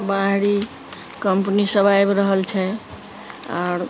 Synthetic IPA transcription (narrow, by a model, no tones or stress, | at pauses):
baɦɽi | kəmpnisəbajbɾəɦəlt͡ʃʰɛ | a̰ɾ